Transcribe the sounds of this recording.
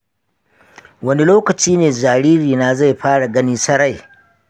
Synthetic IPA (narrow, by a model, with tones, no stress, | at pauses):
wɐ˦ni˦loː˦kɐ˨t͡ʃiː˦neː˨zaː˨ɽiː˦ɾiː˨na˦za˦jɸaː˦ɽa˨ɡɐ˦niː˦sɐ˦ɽa˦˨j